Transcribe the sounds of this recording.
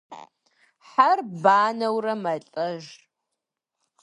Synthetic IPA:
ħarbaːnɐwrɐmɐɬʼɐʒ

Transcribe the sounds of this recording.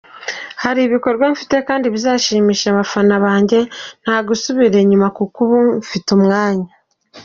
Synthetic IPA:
haɾiβiko̞ɾɡwaɱfi̥te̞kaːndiβizaːʃiːmiːʃaβafanaβaːɲɟe̞n̥haːɡusuβiɾe̞ɲumakukuβuɱfitumŋaːɲa

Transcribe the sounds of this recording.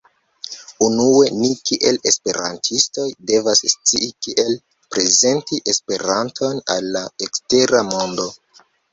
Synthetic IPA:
unue̞nikiʔe̞le̞spe̞ɾa̰ntʰisto̞jde̞vasst͡siʔikiʔe̞l | pɾe̞ze̞ntiʔe̞spe̞ɾantʰo̞nalːaekste̞ɾamo̞ndo̞

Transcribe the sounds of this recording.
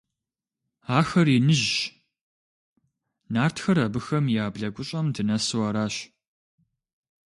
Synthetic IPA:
aːxɐrinɨʑɕ | naːrtxɐrɐbɨxɐmjaːbɮɐɡʷʊɕʼɐmdɨnɐsɨwɐɾaːɕ

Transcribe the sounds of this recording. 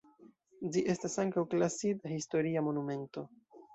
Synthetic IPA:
d͡ʒiʔe̞stasaŋkawklasidahisto̞ɾiamo̞nume̞nto̞

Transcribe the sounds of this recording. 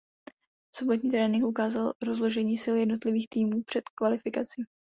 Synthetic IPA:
so̞bot̪ɲiːt̪ɾɛːnɪŋkʔukaːzalɾo̞zlo̞ʒɛɲiːsɪljɛdno̞t̪lɪviːxt̪iːmuːpr̥ɛt̪kvalɪfɪkat͡siː

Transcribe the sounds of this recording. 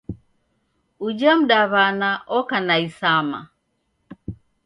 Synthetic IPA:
ud͡ʒam̩ɗaβanaʔɔkanaisama̰

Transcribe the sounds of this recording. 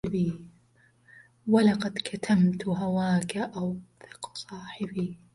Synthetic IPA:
bi | walɑqɑd̪kʰat̪ʰamt̪ɦawaːkaʔawθɪ̥qsˤɑːħɪbiː

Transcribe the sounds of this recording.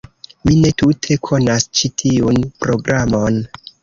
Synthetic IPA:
mine̞tutʰe̞kʰo̞nast͡ʃitʰiunpɾo̞ɡɾʔamo̞n

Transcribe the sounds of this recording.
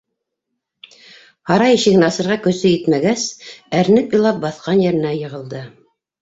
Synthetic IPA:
hɑɾɑjʃiɡnɑsɤ̆ɾʁɑkɵ̆sɵjɘt̪mæɡæsæɾnɘpjɤ̆lˠɑp̚bɑθqɑnjæ̆ɾɘ̆næjɤ̆ʁɤ̆lˠd̪ɤ

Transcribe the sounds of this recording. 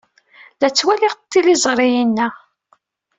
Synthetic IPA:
læt͡sːwælɪʁt̪ːilizˤɾˤijinːæ

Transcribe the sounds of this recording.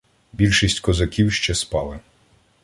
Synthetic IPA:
bʲilʲʃisʲtʲkɔzɐkʲiwʃt͡ʃɛspɑlˠɪ

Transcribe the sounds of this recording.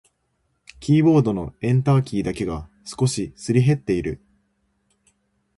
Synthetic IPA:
kʲiːbo̞ːd̪o̞no̞̰ẽ̞nt̪aːkʲiːd̪ake̞ɡa | sɨ̥ko̞ɕisɨɾʲiɦe̞t̪ːe̞iɾɯ̟

